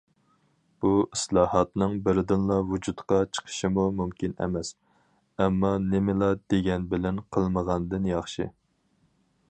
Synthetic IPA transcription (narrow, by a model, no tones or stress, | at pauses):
b̥uʔislˠɑhɑt̪nɨŋbɪɾd̪ɪnlˠɑvud͡ʒut̪qɑt͡ʃʰə̥qʰə̥ʃɪmumumkʲinɛ̰mɛs | ɛmːɑnɪmɪlˠɑd̪̥eɡʲɛnbɪlɛnqʰəlˠməʁɑnd̪ɨnjɑχʃɨ̰